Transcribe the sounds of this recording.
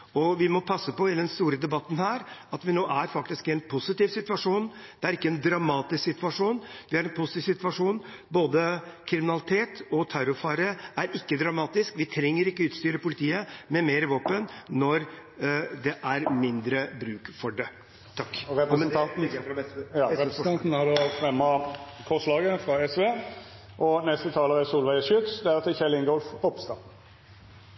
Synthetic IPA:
ɔʋɪmɔpʰɑsːəpɔɪd̪ɛnst̪uːɾəd̪ɛbɑt̪ːnhæːɾɑt̪ʋɪnoːʔæɾfɑk̚t̪ɪskɪɛnpʰʊsɪt̪ɪːʋsɪt̪ʋɑʂuːnd̪̥ɛæɾɪkːəɛnd̪ɾɑmɑːt̪ɪsksɪt̪ʋɑʂuːnʋɪæɾɛnpʰʊstɪʋsɪt̪ʋɑʂuːnboːd̪əkʰɾɪmɪnɑlɪt̪ʰeːt̪ɔt̪ʰæɾʊfɑːɾəæɾɪkːəd̪ɾɑmɑːt̪ɪskʋɪt̪ʰɾɛŋːəɾɪkːəʉːt̪st̪yːɾəpʊlɪt̪ʰiːəmɛmeːɾəʋoːpənːɔɾ | d̪ɛʔæɾmɪnd̪ɾəbɾʉːkfɔɖɛ | t̪ʰɑkːɾɛp̩̪ʰɑt̩̪ɛ | nt̪n̩hɑd̪fɾɛmːɑkʰɔslɑːɡəfɾɑɛsʋeː | ʔɔnɛst̪ət̪ʰɑːləʁɛsuːlʋæɪəʃʏt̪sd̪ɛæɾt̪ɪçɛlɪŋɡɔlfpʰɔpst̪ɑ

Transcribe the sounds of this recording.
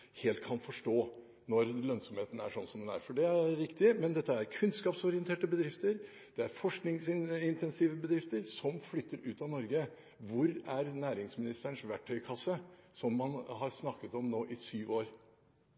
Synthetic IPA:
heːlt̪̚kʰɑnfɔʂʈoː | nɔɾlœnsɔmheːt̪ən̩æ̰ʂɔnsɔmd̪ɛnæ̰ɾfɔɖɛæɾːɪkt̪ɪəmɛnd̪ɛt̪ːəæɾkʰʉnskɑːpsɔɾɪɛnt̪ʰeːʈəbəd̪ɾɪft̪əɾ | d̪̥ɛæɾfɔʂknɪŋsɪɪnt̪ʰɛnsiːʋəbəd̪ɾɪft̪əɾsɔmflʏt̪ːəɾʉːt̪ɑʋnɔɾɡə | ʋʊɾæɾnæːɾɪŋsmɪnɪst̪əɳʂʋæʈʰːœʏkʰɑsːəsɔmːɑnɦɑɾsnɑkːət̪ɔmnoːʔɪsyːʋoːɾ

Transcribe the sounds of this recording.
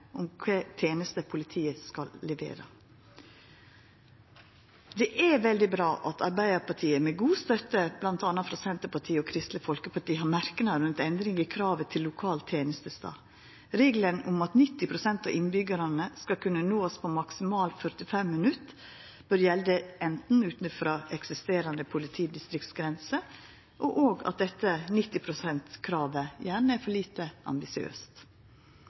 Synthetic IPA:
ʔʊmkʰɛːt̪ʰeːnəst̪əpʰʊlɪt̪ʰiːəskɑlːɛʋḛːɾə̰ | d̪ɛʔæʋɛld̪ɪbɾɑːʔɑt̪ʰɑɾbæɪd̪əɾpɑʈʰiːəmɛɡuːst̪œt̪əb̥lɑnt̪ɑnːɑt̪fɾɑsɛnt̪əpɑʈʰiːəɔkʰɾɪst̪ləfɔlkəpʰɑʈiːɦɑɾmæɾkənɑɾʉnt̪ɛnd̪ɾɪŋɪkʰɾɑːʋət̪ʰɪlːʊkʰɑːlt̪ʰːjeːnəst̪əst̪ɑ̰ː | ɾeːɡlənʊmɑt̪nɪt̪ːɪpʰɾʊsɛnt̪ɑʔɪnbʏɡəɾɑnəskɑkʰʉnːənoːspʰɔmɑksɪmɑːlfœɾt̪ɪfɛmːənʉt̪ː | b̥œɾjɛld̪əʔɛnt̪n̩ʉːt̪nəfɾɑʔɛksɪst̪eːɾɑnd̪əpʰʊlɪt̪ʰiːd̪ɪst̪ɾɪk̚t̪sɡɾɛnsə | ʔɔʔoːɡɑ̰t̪̚d̪ɛt̪ːənɪt̪ːɪpʰɾʊsɛnt̪kʰɾɑːʋəjæːɳəæfɔɭiːt̪əʔɑ̰mbɪsɪø̰ːst̪

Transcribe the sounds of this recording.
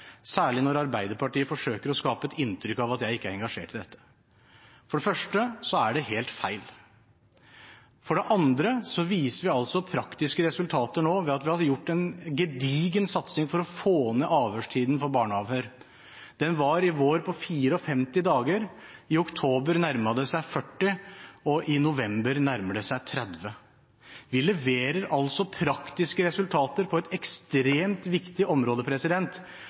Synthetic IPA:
sæːɭɪnɔɾɑɾbæɪd̪əɾpɑʈiːəfɔʂøːkəɾɔskɑːpəɛt̪ɪnt̪ʰɾʏkːɑʋɑt̪jæɪɪkːəæɾɛŋɡɑʂḛːʈɪd̪ɛt̪ːə̥ | fɔɖɛfœʂʈəsɔæɖɛɦeːlt̪fæɪl | fɔɖɛʔɑnd̪ɾəsɔʋiːsəɾʋɪɑlsɔpʰɾɑkt̪ɪskəɾɛsʉlt̪ʰɑːt̪əɳoːʋɛɑt̪ʋɪhɑjʊʈːɛnɡɛd̪iːɡənsɑt̪sɪŋfɔɾɔfoːnəʔɑːʋhøːʂʈʰiːd̪n̩fɔɾbɑːɳəɑʋhøːɾ | d̪̥ɛnʋɑɾɪʋoːɾpʰɔfiːɾəɔfɛmt̪ɪd̪ɑːɡəɾɪʊkt̪ʰoːbəɾnæɾmɑd̪əsæɪfœʈːɪɔʔɪnʊʋɛmbəɾnæɾməɖ̪əsæɪt̪ʰɾɛd̪ʋə | ʋɪlɛʋeːɾəɾʔɑlsɔpʰɾɑkt̪ɪskəɾɛsʉlt̪ʰɑːt̪əɾpʰɔɛt̪ɛkst̪ɾeːmt̪ʋɪkt̪ɪʔɔmɾoːd̪əpʰɾɛsɪd̪ɛnt̪

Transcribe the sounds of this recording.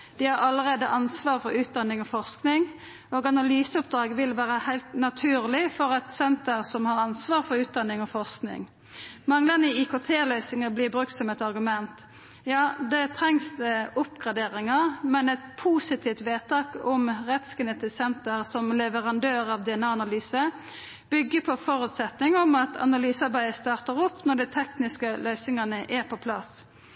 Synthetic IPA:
d̪̥ɪhɑɾɑlːəʁeːd̪əʔɑnsʋɑːʁfɔɾʉːt̪̚d̪ɑnːɪŋɔfɔʁsknɪŋ | oːɡɑnɑlyːsəʊp̚d̪ɾɑːɡʋɪlʋæːɾəhæɪlt̪nɑt̪ʰʉːʁlɪfɔɾɛt̪sɛnt̪əʁsɔmhɑɾɑnsʋɑːʁfɔɾʉːt̪̚d̪ɑnːɪŋɔfɔʁsknɪ̰ŋ | mɑŋlənəɪikot̪ʰeːlœʏsɪŋɑblɪːbɾʉk̚t̪sɔmɛt̪ɑʁɡʉmɛnt̪ | jɑːd̪ɛt̪ʰɾɛŋsd̪ɛʊpɡʁɑd̪eːʁɪŋɑʁmɛnɛt̪pʰuːsɪt̪ʰiːft̪ʋeːt̪ʰɑːkɔmʁɛt̪skɛnɛt̪ʰɪsɛnt̪əʁsɔmlɛʋəʁɑnd̪øːʁɑʋd̪ɛɛnɑːɑnɑlyːsə | b̥ʏɡːəpʰɔfɔɾʉt̪sɛt̪nɪŋɔmɑt̪ʰɑ̰nɑlyːsɑʁbæɪəst̪ɑːʁt̪əɾɔpːnɔɖ̪ɛɪt̪ʰɛknɪskəlœʏsɪŋɑnəʔæʁpʰɔpʰlɑ̰s

